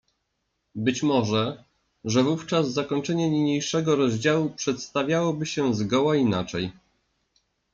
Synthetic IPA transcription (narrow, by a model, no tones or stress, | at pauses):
bɘt͡ɕmɔʐɛ | ʐɛvuft͡ʂazzakɔɲt͡ʂɛɲɛɲiɲejʂɛɡɔɾɔʑd͡ʑawupʂɛt̪st̪avʲjawɔbɘɕɛzɡɔwainat͡ʂɛj